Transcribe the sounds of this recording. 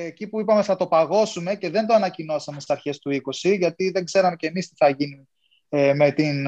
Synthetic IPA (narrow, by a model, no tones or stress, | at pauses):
ecipuipɐmeθɐt̪o̞pɐɣo̞sume̞ce̞ðe̞nd̪oɐnɐcino̞sɐmest̪isɐɾçe̞st̪uiko̞siʝɐt̪iðe̞ŋɡze̞ɾɐme̞ce̞mist̪iθɐʝinun | eme̞t̪in